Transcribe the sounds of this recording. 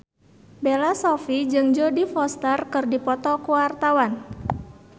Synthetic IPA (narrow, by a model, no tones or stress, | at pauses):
belasɔfid͡ʒɨŋd͡ʒodifɔst̪ərkɨrdipɔt̪ɔkuwart̪awan